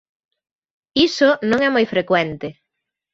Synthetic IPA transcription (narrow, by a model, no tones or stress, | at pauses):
isonõŋɛmojfɾekwɛnt̪ɪ